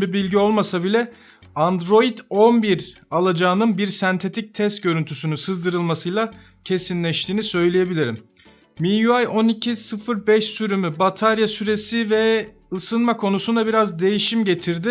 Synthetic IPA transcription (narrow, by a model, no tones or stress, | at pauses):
bibilʲɟio̞lˠmasabilʲɛ | and̪ɾo̞id̪o̞nbiɾ | alˠad͡ʒaːnɯnbiɾsænt̪ʰe̞t̪ʰic̚t̪ʰɛst̪̚ɟø̞ɾynt̪ʰysynysɯzd̪ɯɾɯlˠmasɯjlˠa | cʰe̞sinlʲɛʃt̪ʰiːnisø̞jlʲeje̞bilʲiɾim | mijuajo̞nicʰisɯfɯɾbɛʃsyɾymybat̪ʰaɾjasyɾe̞sivɛ | ɯsɯnmakʰo̞nusund̪abiɾazd̪e̞jiʃimɟe̞t̪ʰiɾd̪ɪ